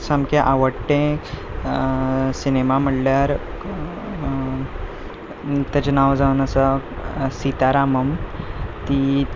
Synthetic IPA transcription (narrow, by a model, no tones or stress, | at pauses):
samkeʔaʋəɽʈẽ | sinemam̤əɽljaɾ | t̪at͡ɕenaʋd͡zaunəsasit̪aɾaməmt̪i